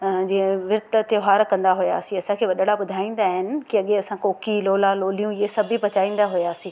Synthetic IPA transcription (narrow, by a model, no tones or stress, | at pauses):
d͡ʑiːẽʋɪɾt̪ət̪joɦaːɾkɐ̃nd̪aɦʊjaːsĩɐsãkʰeːʋɐɗəɽabʊd̪ʱaːĩːnd̪aːɦɪnɪ̆kiɐɠeɐsãkoːkiloːlãloːlijũesɐbʱipɐt͡ɕaːĩːn̆d̪aɦʊjaːsĩː